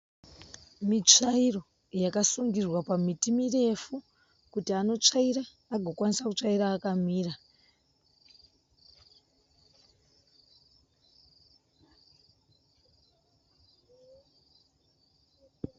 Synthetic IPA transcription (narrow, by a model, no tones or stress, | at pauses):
mit͡ʂairo̞ | jakasuŋɡirwapamitimire̞fu | kutiano̞t͡ʂaiɾaː | ɡʱokwanisakut͡ʂaiɾaːkamiːra